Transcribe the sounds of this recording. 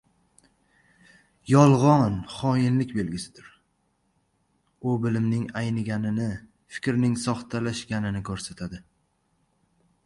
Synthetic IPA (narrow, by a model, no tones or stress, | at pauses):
jɒlˠʁɒnχɒjɪnlɪkʲbe̞lɡʲɪsɪd̪ɪɾ | ʊbɪlɪmnɪŋajnɪɡʲanɪnɪ | fɪ̥kʲɾnɪŋsɒχt̪ʰalaʃɡʲanɪnɪkʰɵɾsat̪ʰad̪ɪ